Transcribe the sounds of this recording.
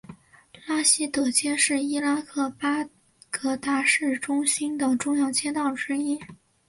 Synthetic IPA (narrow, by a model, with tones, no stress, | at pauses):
la˥ɕi˥t̪ɤ˨˩t͡ɕjɛ˥nʂɻ̩˥˩i˥la˥kʰɤ˥˩pa˥ | kʰɤ˧˥t̪a˥˧ʂɻ̩˥˩ʈ͡ʂʊ˥ŋɕi˥nt̪ɤ˨˩ŋʈ͡ʂʊ˥˧ŋjɑ˥˧ʊt͡ɕʰjɛ˥nt̪ɑ˥˩ʊʈ͡ʂɻ̩˥i˥